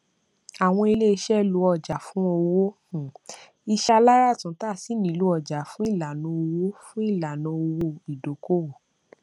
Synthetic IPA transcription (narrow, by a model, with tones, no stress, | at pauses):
a˨w̃ɔ̃˧i˧le˦i˧ʃɛ˦lu˧ɔ˧˨d͡ʒa˨fũ˨˦o˧wõ˦˨ | i˧ʃa˧la˦ɾa˦˨tũ˨˦ta˦˨si˨˦nĩ˨˦lu˨˦ɔ˧˨d͡ʒa˨fũ˦i˦˨la˨nũ˧˦o˧wo˦fũ˦i˦˨la˨nũ˨˧˦o˧wo˧˨i˨do˨˦ko˦˨